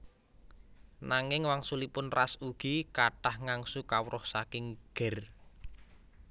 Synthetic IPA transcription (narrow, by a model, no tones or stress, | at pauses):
naŋɪŋwaŋsulipʊnrasuɡ̥ikaɖ̥ahŋaŋsukawɾʔɔhsakɪŋɡ̥ɛ̤r